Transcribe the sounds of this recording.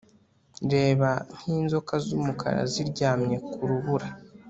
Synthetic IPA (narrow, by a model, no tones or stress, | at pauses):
nɾe̞ːβan̥hiːnzo̞kazumukʰa̰ɾa̰ziɾɟaːmɲe̞kuɾuβuɾa